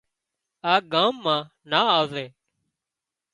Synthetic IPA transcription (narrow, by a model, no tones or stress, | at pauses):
aːɡãːmːãː | naːaːzeː